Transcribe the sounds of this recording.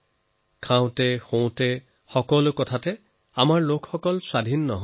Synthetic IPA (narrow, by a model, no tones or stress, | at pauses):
kʰãw̃tɛxõw̃tɛ | xɔkɔlʊkɔtʰatɛ | amaɹlokʰxɔkɔlsad̪ʱinːɔɦ